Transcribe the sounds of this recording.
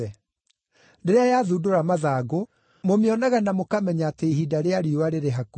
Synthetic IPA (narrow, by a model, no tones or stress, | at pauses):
ɛ | ndeɾeajaðudoɾamaðaːɣo | momeɔnaɣanamokamɛɲaːteiɦidaɾeaɾiwaɾeɾeɦaku